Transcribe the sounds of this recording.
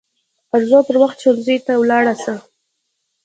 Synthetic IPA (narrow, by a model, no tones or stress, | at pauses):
aɾzopəɾwaxt̪̚t͡ʃalzəjt̪awlɑɽasə